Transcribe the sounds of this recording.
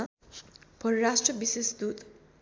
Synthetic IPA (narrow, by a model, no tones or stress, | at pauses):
pʌɾɾasʈrʌbisesd̪ut̪